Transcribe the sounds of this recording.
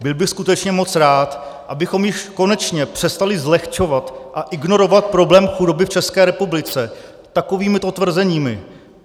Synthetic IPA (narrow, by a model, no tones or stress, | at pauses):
bɪlbɪxskut̪ɛt͡ʃɲɛmo̞t͡sɾaːt̪ | ʔabɪxo̞mjɪʃko̞nɛt͡ʃɲɛpr̥ɛst̪alɪzlɛxt͡ʃo̞vat̪ʔaʔɪɡno̞ɾo̞vat̪̚pɾo̞blɛːmxudo̞bɪft͡ʃɛskɛːɾɛpublɪt͡sɛ | t̪ako̞viːmɪtot̪vr̩zɛɲiːmɪ